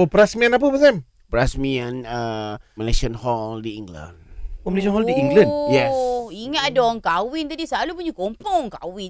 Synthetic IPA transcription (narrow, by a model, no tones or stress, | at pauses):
opɾasmianap̬əpəzam | pəɾasmianəməleʃənhɔldiĩŋɡlə̰̃nomileʃɔnɦɔldiĩŋɡlãnjɛsiŋaʔdɔŋkawɪnt̪adisalupuɲukompɔŋka̰wɪ